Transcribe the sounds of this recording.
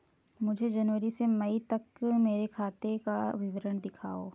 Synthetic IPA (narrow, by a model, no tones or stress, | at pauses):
mʊd͡ʒʱed͡ʒɐnʋəɾisemɐit̪ɐkmeːɾekʰaːt̪ekaʋɪʋəɾəɳ̃d̪ɪkʰa̰ːoː